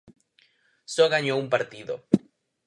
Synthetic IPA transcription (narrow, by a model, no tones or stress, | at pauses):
soɣaɲoumpaɾt̪iðo̰